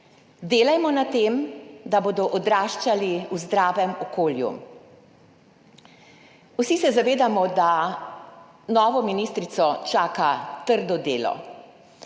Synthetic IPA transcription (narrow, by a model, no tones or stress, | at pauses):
d̪eːlajmɔnat̪eːmd̪aboːd̪ɔʔɔd̪ɾaːʃt͡ʃaliuzd̪ɾaːʋɛmɔkoːljṵ | usisɛzaʋeːd̪amɔd̪a | nɔːʋɔminist̪ɾit̪sɔt͡ʃaːkat̪əɾd̪ɔd̪ḛːlɔ̰